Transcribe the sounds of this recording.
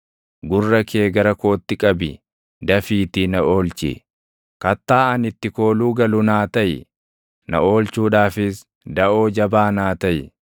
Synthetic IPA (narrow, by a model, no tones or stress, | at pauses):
ɡʊrːɐkʰeːɡɐɾɐko̞ːt̪ːɪkʼɐbɪ | d̪ɐfiːt̪ɪnɐʔo̞ːlt͡ʃɪ̰ | kɐt̪ːaːɐnɪt̪ːɪko̞ːluːɡɐlʊnaːt̪ɐʔɪ̰ | nɐ̰ʔoːlt͡ʃuːᶑaːfɪs | d̪ɐʔo̞ːd͡ʒɐbaːnaːt̪ɐjɪ